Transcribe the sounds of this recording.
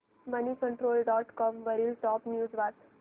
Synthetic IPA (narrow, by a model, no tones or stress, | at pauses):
ʋəniːkəɳʈɾoːlɖɔːʈkɔːmʋəɾiːlʈɔːpnjuːd͡zʋat̪